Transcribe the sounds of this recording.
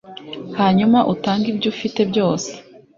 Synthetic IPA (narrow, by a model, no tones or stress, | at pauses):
haːɲumaʔutaːŋɡibɟufite̞bɟo̞ːse̥